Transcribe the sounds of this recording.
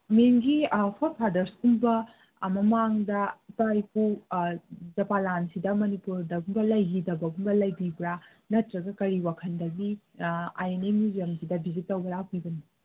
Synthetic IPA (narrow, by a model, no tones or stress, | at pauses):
meŋɡihʰotpʰaɾdɐɾsumbɐ | mɐmaŋdɐitajpu | d͡ʒɐpalansidɐmɐnipuɾdɐɡumbɐlɐjɦidɐbɐɡumbɐlɐjbibɾa | nɐtɾɐɡɐkɐɾiwakʰɐndɐɡi | a̰jenemuziɐmsidɐbizitːɐwbɐɾapibɐni